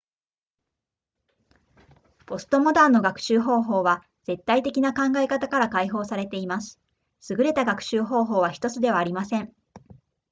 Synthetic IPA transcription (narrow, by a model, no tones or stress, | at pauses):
po̞sɨ̥t̪o̞mo̞d̪aːnːo̞ɡakɯ̟̥ɕɨːɦo̞ːɦo̞ːβa | d͡z̥e̞t̪ːait̪e̞kʲinakãŋɡae̞kat̪akaɾakaiɦo̞ːsaɾe̞t̪e̞imasɨ̥ | sɨɡɯ̟ɾe̞t̪aɡakɯ̟̥ɕɨːɦo̞ːɦo̞ːβ̞açʲi̥t̪o̞t͡sɨd̪e̞βaːɾʲimasẽ̞ɴ